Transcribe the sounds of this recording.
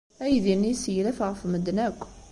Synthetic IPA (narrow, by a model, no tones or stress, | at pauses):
æjðinːisjlæfʁəfməd̪nækʷː